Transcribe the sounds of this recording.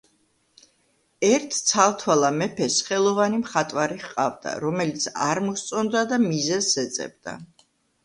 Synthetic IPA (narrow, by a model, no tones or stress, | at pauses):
ɛɾt̪ʰt̪sʰalˠt̪ʰwalˠamɛpʰɛsχɛlˠɔvanimχat̪ʼwaɾiχqʼa̰vd̪a̰ɾɔmɛlit̪sʰaɾmɔst̪sʼɔnd̪ad̪amizɛzːɛt̪sʼɛ̰b̚d̪̥a̰